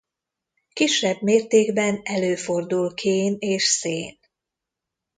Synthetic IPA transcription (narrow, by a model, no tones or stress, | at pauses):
kiʃːɛbmeːrt̪eːɡbɛnɛløːfo̞rd̪ulkʰeːneːʃseːn